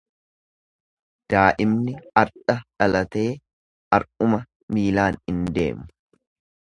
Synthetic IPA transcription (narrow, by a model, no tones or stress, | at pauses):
d̪̥aːʔɪmnɪɐɾᶑɐᶑɐlɐt̪e̞ː | ɐɾʔʊmɐ | miːlaːnɪnd̪e̞̰ːmʊ̥